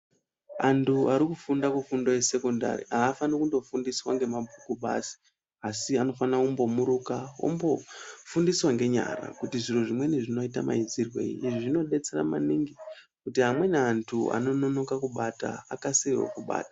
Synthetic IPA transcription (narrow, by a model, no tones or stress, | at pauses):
antʰuaɾikufundakufundo̞je̞se̞konda̰rḭʔaːfanikundo̞fundiswaŋɡe̞mabʱukuɓa̰si̥ | asiano̞fanakumbo̞muɾukawo̰mbo̞fundiswaŋɡe̞ɲa̰ra̰kutiʐiruʐimwe̞niʐino̞itama̰id͡zirwe̞̰iːʐiʐino̞ɗe̞t͡se̞ɾa̰maniŋɡi | kutiɦamwe̞neantʰua̰no̞no̞no̞kakuɓata̰ːkaseiwo̰kuɓa̰ːtḁ